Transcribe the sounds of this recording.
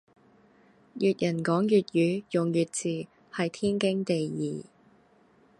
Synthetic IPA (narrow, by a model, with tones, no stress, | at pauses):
jyː˨t̚jɐ˨˩nkɔː˨˥ŋjyː˨t̚jyː˨˥jʊ˨ŋjyː˨t̚t͡siː˨˩ | hɐ˨jt̪ʰiː˥nkɪ˥ŋt̪e˨jjiː˨